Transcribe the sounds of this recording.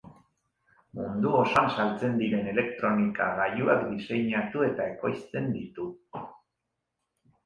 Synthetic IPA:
mund̪uo̞sansalt͡se̞nd̪iɾe̞ne̞le̞kt̪ɾo̞nika̰ɣajuakd̪ise̞jɲat̪ue̞t̪ae̞ko̞jst͡s̪e̞nd̪it̪u

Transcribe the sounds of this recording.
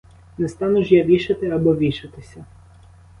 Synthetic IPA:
nɛst̪ɑnʊʒjaʋʲiʃɐt̪ɪɐbɔʋʲiʃɪt̪ɪsʲɐ

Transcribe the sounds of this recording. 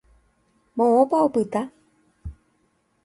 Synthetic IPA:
mõõpaopɨt̪a

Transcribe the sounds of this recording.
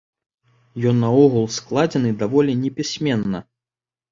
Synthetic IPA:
jɔnːɐɔɣulˠsklˠad͡zʲɛnɨd̪avɔlʲɛnʲɛpʲisʲmʲɛnːɐ

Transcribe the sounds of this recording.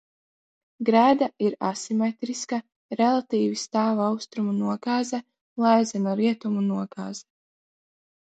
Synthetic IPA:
ɡɾæːd̪aiɾasimet̪ɾiska | ɾɛlˠat̪iːvist̪aːvawst̪ɾumunuɔɡaːzɛ | lˠajzɛnaɾiɛt̪umunuɔɡaːz̥ɛ

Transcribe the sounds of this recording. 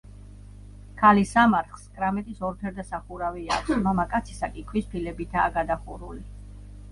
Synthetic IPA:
kʰalisamaɾχskʼɾamɛt̪ʼisɔɾp̪ʰɛɾd̪asaχuɾavia̰kʰsmamakʼat̪sʰi̥sakʼikʰwispʰilɛbit̪ʰaːɡad̪aχuɾuli

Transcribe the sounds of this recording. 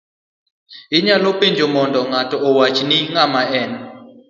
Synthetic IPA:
ɪɲalopeɲd͡ʒomɔndɔŋatɔːwat͡ʃniŋamaɛn

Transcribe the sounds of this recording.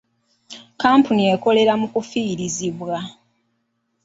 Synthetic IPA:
kaːmpunie̞ko̞le̞ɾamukufiːɾiziβwa

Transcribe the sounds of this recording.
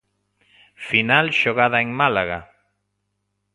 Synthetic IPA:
finalʃoɣ̞aðaeŋmalaɣa̰

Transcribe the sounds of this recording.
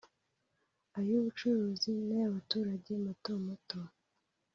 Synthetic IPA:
ajuːβut͡ʃuɾuːzinajaβatuːɾaɟe̞matomoto

